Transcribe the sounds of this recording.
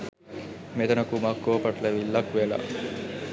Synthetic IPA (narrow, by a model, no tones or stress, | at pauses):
met̪ɐnɐkumakːoːpɐʈlɐʋilːɐkʋela̰